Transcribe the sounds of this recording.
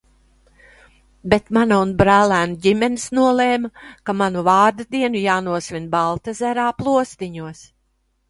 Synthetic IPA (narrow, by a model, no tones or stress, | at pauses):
bɛt̪manaunbɾæːlæːnuɟimɛnisnuɔlˠeːmakamanuvaːɾd̪ad̪iɛnujaːnuɔsvʲinbalˠt̪azæɾaːplˠuɔst̪iɲuɔs